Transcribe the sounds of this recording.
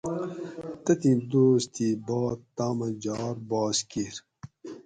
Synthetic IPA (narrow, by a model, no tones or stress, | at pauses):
t̪ɐt̪ĩːd̪oːst̪iːbɑːt̪ːaːmɐd͡ʑɑːɾbɑːskiɾ